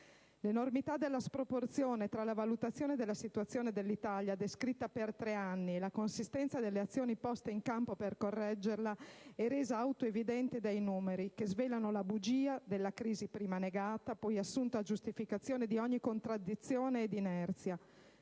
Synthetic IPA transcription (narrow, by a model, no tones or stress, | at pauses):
lenormit̪ad̪elːaspɾoport̪sjoːnet̪ɾalavalut̪at̪sːjoːned̪elːasit̪uat̪sːjoːned̪elːit̪aljad̪eskɾit̪ːapert̪ɾeanːielakonsist̪ɛnt̪sad̪elːeat̪sːjoːnipɔst̪eiŋkampoperkorːɛd͡ʒːerlaɛɾeːzaawt̪oevid̪ɛnt̪ed̪ajnuːmeɾikezveːlanolabud͡ʒiːad̪elːakɾiːzipɾiːmaneɡaːt̪apɔjasːunt̪ad͡ʒust̪ifikat̪sːjoːned̪iɔɲːikont̪ɾad̪it̪sːjoːneːd̪inɛrt̪sja